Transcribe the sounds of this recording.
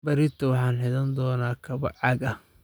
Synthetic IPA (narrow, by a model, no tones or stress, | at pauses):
bɐɾɪt̪ʰɐwɑħɑːnħɪðɐnd̪ɔːnaːkʰɐβɐʕɑɡɐ